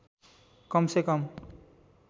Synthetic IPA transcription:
kʌmsekʌm

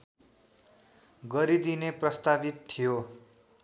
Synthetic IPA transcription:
ɡʌɾid̪ineprʌst̪abit̪ʰːijo

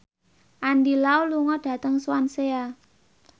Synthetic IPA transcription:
ʔandilauluŋɔɖ̥ä̤t̪əŋswansea

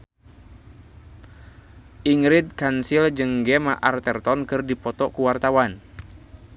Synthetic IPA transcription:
ʔiŋɾid̪̚kansild͡ʒɨŋɡɛmaʔart̪ɛrt̪ɔnkɨrdipɔt̪ɔkuwart̪awan

